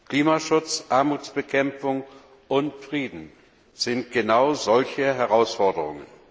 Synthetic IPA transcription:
kl̥iːmaʃʊt͡sʔaɐmuːt͡sb̥əkʰɛmp͡fʊŋ | ʔʊntfʁ̥iːdn̩ | z̥ɪnt̚ɡ̥ənaʊzɔlçəɦɛʁaʊsfɔɐdəʁʊŋə̰n

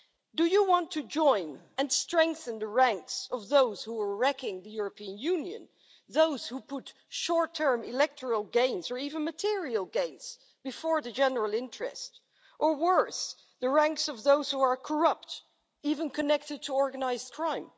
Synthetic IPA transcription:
d̥ɨjɨwɑ̃ntʰɨd͡ʒɔ̃ɪ̃n | ɨ̃nstɹ̥ɛ̃ŋkθɨ̃nðəɹæ̃ŋksʌvðoʊz̥huə˞ɹɛkɪ̃ŋðɨjʊɹəpʰiɨ̃njʉ̃njɨ̰̃n | ðoʊz̥hupʰʊt | ʃɔɹtʰɜ̃˞mɪlɛk̚tʰə˞əl̩ˠɡẽɪ̃nzə˞ivɨ̃nmɨtʰɪɹiəl̩ˠɡẽɪ̃nz̥ | b̥ɨfɔɹðɨd͡ʒɛnə˞əlˠɪ̃ntɹ̥ɛ̰st | ʔə˞wɜ˞s | ðɨɹæ̃ŋksʌvðoʊz̥huə˞kʰə˞ʌp̚t | ivə̃nkʰɨnɛk̚tɨd̚tʰəɔɹɡɨnaɪzdkʰɹ̥ãɪ̃m

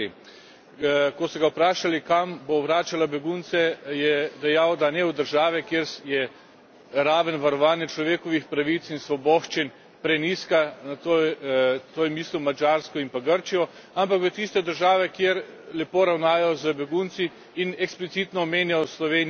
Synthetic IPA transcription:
kɔsɔɡawpɾaːʃalikambowɾaːt͡ʃalabɛɡunt̪sɛjɛd̪ɛjawd̪anɛwd̪əɾʒaːʋɛkjeɾjɛ | ɾaːʋənʋaɾɔʋaːnjɛt͡ʃlɔʋeːkɔʋixpɾaʋit̪sinsʋɔbɔːʃt͡ʃin | pɾɛniːskanat̪o | t̪oːjmiːsluwmad͡ʒaːɾskɔimpaɡəɾt͡ʃijɔ | ampakʋət̪ist̪ɛd̪əɾʒaːʋɛkjeɾlɛpoːɾawnaːjajɔzəbɛɡunt̪siː | nɛksplit̪it̪nɔːmeːnjajɔslɔʋen

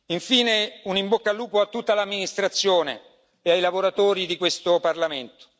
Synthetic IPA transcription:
iɱfiːneunimbokːalːuːpoat̪ːut̪ːalamːinist̪ɾat̪sːjoːne | eajlavoɾat̪oːɾid̪ikwest̪oparlament̪o̥

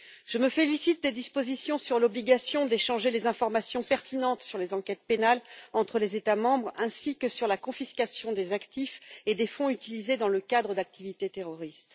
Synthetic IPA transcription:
ʒ̥əməfelisit̪̚d̪ed̪ispozisjɔ̃syʁlɔbliɡʲasjɔ̃d̪eʃɑ̃ʒelezɛ̃fɔʁmasjɔ̃pɛʁt̪inɑ̃t̪syʁlezɑ̃kʲɛt̪̚penalɑ̃t̪χəlezet̪amɑ̃bʁɛ̃sikəsyʁlakɔ̃fiskʲasjɔ̃d̪ezakt̪ifed̪efɔ̃yt̪ilized̪ɑ̃ləkʲad̪ʁəd̪ak̚t̪ivit̪et̪eʁɔʁist̪

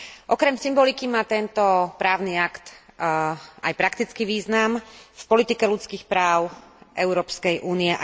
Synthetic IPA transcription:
ʔɔkɾɛmsimbɔlikimaːt̪ɛnt̪ɔpɾaːʊniakt̪ | a̰jpɾakt̪it͡skiʋiːznamfpɔlit̪ikɛlut͡skiːxpɾaːʊʔɛʊɾɔːpskɛjʔuːniɛ

